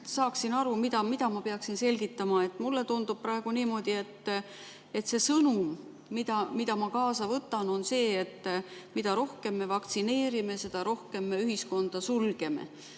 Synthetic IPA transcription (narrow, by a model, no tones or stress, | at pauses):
sɑːksinɑɾumid̪ɑmid̪ɑmɑpeɑksinse̞lɡ̥it̪ːˑɑmɑe̞t̪ːˑmulːe̞t̪und̪̥ub̥̚prɑe̞ɡ̥uniːmo̞d̪̥ie̞t̪ː | e̞t̪se̞sɤnumː | id̪ɑmid̪̥ɑmɑkɑːsɑvɤt̪ːˑɑno̞nse̞ːet̪ːmid̪̥ɑɾo̞hke̞mːe̞vɑk̚t̪sine̞ːɾime̞se̞d̪̥ɑɾo̞hke̞mːe̞yɦisko̞nd̪̥ɑsulɡ̥e̞mḛ